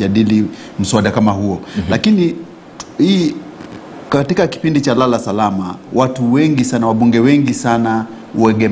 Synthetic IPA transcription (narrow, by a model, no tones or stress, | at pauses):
aɗili | m̩suaɗakamahuɔlakini | hi | katikaki̥pindit͡ʃalalasalamawatuwɛŋɡisanawaɓuŋɡɛwɛŋɡisana | uwɛɡɛ